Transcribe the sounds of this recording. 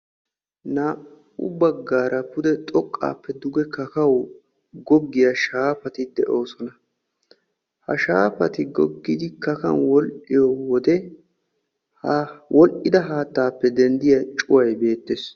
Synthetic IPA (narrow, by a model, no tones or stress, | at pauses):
na | ʊ̰bɐɡːaːɾɐpʊd̪ɛt̪ʼɔkʼːa̰ːpːɛd̪ʊɡɛkɐkɐw | ɡɔɡːɪjaʃaːpɐt̪ɪd̪ɛʔo̞ːsɔnɐ | hɐ̰ʃaːpɐt̪ɪɡɔɡːɪd̪ɪkɐkɐ̰nwɔlʔɪjɔwɔd̪ɛ | wʔɔlʔɪd̪ɐɦaːt̪ːaːpːɛd̪ɛnd̪ɪjɐt͡ʃʼʊwɐjbe̞ːt̪ːeːs